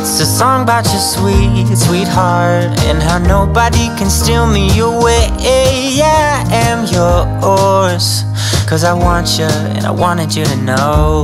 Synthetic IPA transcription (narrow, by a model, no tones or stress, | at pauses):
sɨsɔ̃ŋbat͡ʃɨswitswit̚hɑɹd | ɨ̰̃nɦaʊnoʊbəɾikʰɨ̃nstɪlˠmijəwɪð | e | a | ɨ̃mjə˞ | ɔɹ | s | kʰʌzaɪwɑ̃nt͡ʃɨ | ɨ̰̃na̰ɪwɑ̃ñɨd͡ʒɨɾɨnoʊ